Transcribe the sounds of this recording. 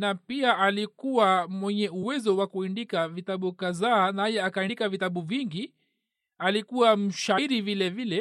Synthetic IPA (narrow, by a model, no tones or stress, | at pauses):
napiaʔalikuwamwɛɲɛuwɛzɔwakuindikavitaɓukazaːnajɛakainikavitaɓuviŋɡi | alikuwam̩ʃaiɾivilɛvilɛ